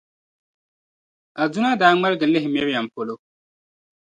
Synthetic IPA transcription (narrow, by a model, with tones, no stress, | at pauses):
a˨du˦na˦daː˨˦ŋ͡mɛ˦lɡɪ˨lɪ˦ɦɪ˨mɛ˦ɾi˦a˨mpo˨lo˦